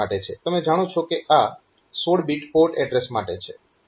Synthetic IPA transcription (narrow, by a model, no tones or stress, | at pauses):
aʈet͡ʃʰet̪əmed͡ʒaɽ̃ot͡ʃʰokeʔa | soɽbiʈpoɾʈɛɖɾesmaʈet͡ʃʰe